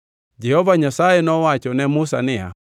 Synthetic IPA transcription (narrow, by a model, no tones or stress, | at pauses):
d͡ʒɛhɔvaɲasaɛnɔwat͡ʃɔnɛmusanɛa̰